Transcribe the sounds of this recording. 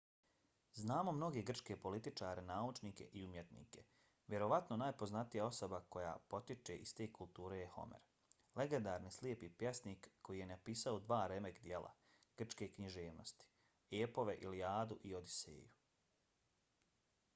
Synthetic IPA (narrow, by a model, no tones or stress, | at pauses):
znaːmo̞mno̞ɡe̞ɡr̩t͡ʃke̞po̞lit̪it͡ʃaːɾʔenaːut͡ʃniːke̞̰ʔiumje̞t̪nḭːke̞ | ʋje̞ɾo̞ʋat̪no̞naːjpo̞znat̪ijao̞sobako̞ja̰ːpo̞t̪it͡ʃe̞̰ʔist̪eːkulˠt̪uːɾe̞jeho̞̰mḛɾ | leɡe̞nd̪aːɾnisliepipjesniːkːo̞jije̞napiːsaod̪ʋaːɾe̞mekd̪je̞lˠʔa̰ | ɡ̥r̩t͡ʃke̞ːkɲiʒeːʋno̞̰st̪i̥ | eːpo̞ʋe̞ʔiliaːd̪uʔio̞d̪isḛːju